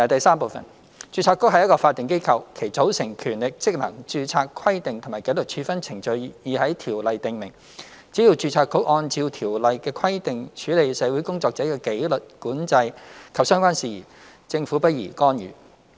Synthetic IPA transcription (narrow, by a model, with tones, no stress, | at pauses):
ɐ˨˩t̪ɐ˨jsaː˥mpo˨˧wfɐ̰˨˩n | t͡ʃyː˧t͡sʰaː˧˥kːʊ˥k̚ɐ˨jɐ˥t̚kɔː˧faː˧t̪̚ːɪ˨ŋke˥jkʰɐ˧wkʰe˨˩jt͡so˨˥wsɪ˨˩ŋkʰyː˨˩nlɪ˨k̚t͡sɪ˥k̚lɐ˨˩ŋt͡ʃyː˧t͡sʰaː˧kʰɐ˥jt̪ɪ˨ŋt̪ʰmaː˨˩ke˨˥lɵ˨k̚t͡ʃʰyː˧fɐ˥nt͡sʰɪ˨˩ŋt͡ʃɵ˧ɥjiː˨hɐ˨˥jt̪ʰiː˨˩wlɐ˨jt̪ɪ˨ŋmɪ̰˨˩ŋ | t͡siː˨˥ji˨˧wt͡ʃyː˧t͡sʰaː˧kːʊ˥k̚ʔɔː˧nt͡siː˧wt̪ʰiː˨˩wlɐ˨jkɛː˧kʰɐ˥jt̪ɪ˨ŋt͡ʃʰyː˨˥le˨jsɛː˨˧wu˨˥jkʊ˥ŋt͡sɔː˧k̚t͡sɛ˨˥kɛː˧ke˨˥jlɵ˨t̚kuː˨˥nt͡sɐ˧jkʰɐ˨p̚sœː˥ŋkʷaː˥nsiː˨jḭː˨˩ | t͡sɪ˧ŋfuː˨˥pɐ˥t̚jḭː˨˩kɔː˥njy̰ː˨